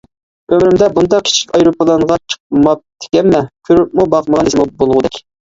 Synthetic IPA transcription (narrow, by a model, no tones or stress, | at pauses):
ømɾymd̪ɛbund̪ɑq̚kʲʰi̥t͡ʃʰi̥kʲɑjɾopəlˠɑɴʁɑt͡ʃʰə̥q̚mɑp̚t̪ʰɪ̥kʲɛnmɛkʲʰyɾyp̚mubɑqməʁɑnismubolˠʁʊd̪ɛkʲ